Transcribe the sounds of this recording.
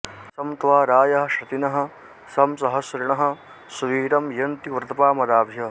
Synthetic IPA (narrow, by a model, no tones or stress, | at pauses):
sɐmt̪ʋaːɾaːjɐɦɐ̆ʃɐt̪inɐɦɐ̆ | sɐmsɐɦɐswɐɾiɳɐɦɐ̆ | suʋiːɾɐmjɐnt̪iʋɾt̪ɐpaːmɐd̪aːbʱjɐ